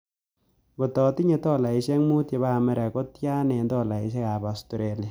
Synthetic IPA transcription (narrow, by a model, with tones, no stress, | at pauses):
bɔ˨tɔ˨ti˦ɲe˨tɔ˦la˨i˨ʃɛ˦ŋmu˦tje˨ba˦˨mɛ˦ɾa˨ko˦tja˦nɛ˨ndɔ˦la˨i˨ʃ̬e˦ka˨ba˨sto˨ɾe˨lja˨